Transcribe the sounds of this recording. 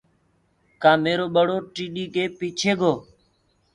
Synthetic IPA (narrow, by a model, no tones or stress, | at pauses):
kãːmeːɾoːɓəɽoːʈiːɗiːkeːpiːt͡ʃʰeːɡʱoː